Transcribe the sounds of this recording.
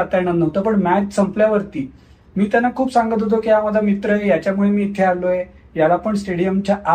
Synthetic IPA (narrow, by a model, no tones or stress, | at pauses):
at̪anənːəɦt̪opəɳmæd͡ʑsəmpljaʋəɾt̪iː | miːt̪janːakʰuːpsãŋɡət̪̬ɦot̪̬okijaməd̪ʱamit̪ɾəjejat͡ɕjamuɭemiːt̪ʰːealoje | jalapəɳsʈeɽijəmt͡ɕjaʔa